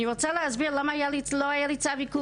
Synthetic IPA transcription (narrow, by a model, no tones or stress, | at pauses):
niʁot͡salehazbiʁlamaajaliloajalit͡saviku